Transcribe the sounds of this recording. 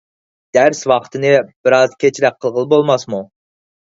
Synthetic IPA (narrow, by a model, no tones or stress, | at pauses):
d̪̥æɾswɑqt̪ʰɨnɨb̥ɪɾɑzkʲʰet͡ʃʰɾɛk̚qʰːəlˠʁəlˠbolˠmɑsmu